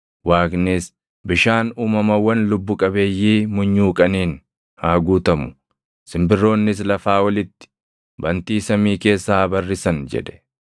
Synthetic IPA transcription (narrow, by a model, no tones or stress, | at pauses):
waːknɪs | bɪʃaːnuːmɐmɐwːɐnlʊbːʊkʼɐbe̞ːjːiːmʊɲːuːkʼɐniːn | haːɡuːt̪ɐmʊ̥ | sɪmbɪrːo̞ːnːɪs̬lɐfaːwɐlɪt̪ːɪ̥ | bɐnt̪iːsɐmiːke̞ːsːaːbɐrːɪsɐnd͡ʒɛ̰ᶑ̪ɛ̥